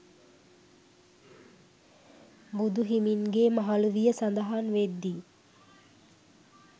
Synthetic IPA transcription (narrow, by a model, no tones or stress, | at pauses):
bud̪uɦiminɡeːmaɦaluʋijəsand̪aɦanʋed̪ːi